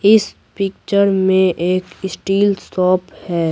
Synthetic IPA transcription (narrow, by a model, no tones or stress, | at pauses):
ɪs | pɪk̚t͡ʃəɾmẽʔeːkɪsʈiːlsɔːphɛː